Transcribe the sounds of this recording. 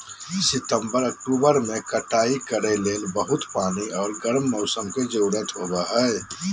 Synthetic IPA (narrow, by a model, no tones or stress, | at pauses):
sɪt̪ə̃mbəɾək̚ʈuːbəɾmẽkəʈaːikəɾeleːlbəɦʊt̪paːniɔːɾɡəɾmːɔːsəmked͡ʒoːɽət̪ɦoːbaɦɛː